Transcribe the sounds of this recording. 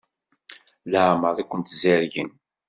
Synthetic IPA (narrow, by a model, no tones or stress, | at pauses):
ləʕməɾˤikʷːənt̪zəɾʝən